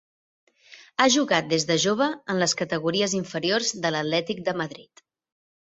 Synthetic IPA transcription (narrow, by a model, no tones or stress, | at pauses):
aʒuɣat̪̚d̪ezðəʒoβ̞əːnləskət̪əɣuɾiəziɱfəɾiorzd̪ələt̪lɛt̪ik̚d̪əməðɾit̪